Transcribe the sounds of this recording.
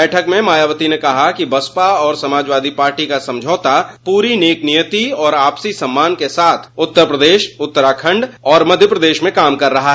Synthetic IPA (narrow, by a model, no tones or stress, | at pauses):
ɛːʈʰəkmẽmaːjaːʋət̪inekɐɦakibɐspaɔːɾsɐmaːd͡ʒʋaːd̪ʱipaːɾʈikasɐ̃md͡ʒʱoːt̪apuːɾineːknijət̪iɔːɾaːpsisɐ̃mːaːnkesaːt̪ʰʊt̪ːəɾpɾəd̪eːʃʊt̪ːəɾakʰə̃ɳɖɔːɾmɐd̪ʱjəpɾɐd̪eːʃmẽkaːmkɐɾːɐɦaɦɛ